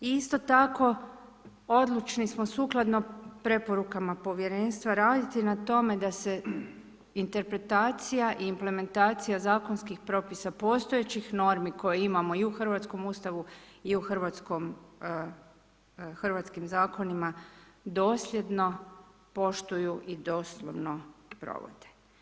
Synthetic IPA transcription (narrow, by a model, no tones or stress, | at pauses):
iist̪o̞t̪ako̞ | o̞d̪lˠut͡ʃnismo̞suːklˠad̪no̞pɾe̞po̞ɾukamapo̞ʋje̞ɾe̞ːnst̪ʋaɾaːd̪it̪inat̪o̞me̞d̪ase̞ | int̪e̞ɾpɾe̞t̪aːt̪sijaʔiːmple̞me̞nt̪aːt̪sijazaːkonskixpɾo̞pisapo̞ːst̪o̞et͡ɕixno̞ɾmiko̞jeimamo̞iuxr̩ʋat̪sko̞muːst̪aʋuiuxr̩ʋat̪skom | xrʋat̪skimzaːko̞nimad̪o̞ːslʲje̞d̪no̞ | po̞ʃt̪ujuʔid̪o̞slˠo̰ʋno̞pɾo̰ʋo̰d̪̥e̥